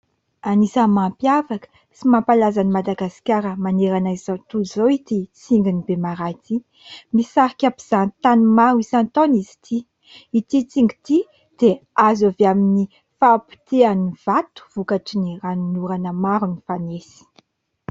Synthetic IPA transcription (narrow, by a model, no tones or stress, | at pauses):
anisəmampjavakə̥ | simampalazanimad̪aɡasi̥kʲaɾəmaneɾanaizzat̪ulzoit̪it͡siŋɡinibemaɾat̪i | misaɾikʲapiz̥ant̪animaɾuisant̪onizi̥t̪ʰi | it̪it͡siŋɡi̥t̪i | d̪̥eazaveamini | fapi̥t̪eaniv̥at̪u̥v̥ukaʈ͡ʂiniranunuɾanəmaɾunifanesi̥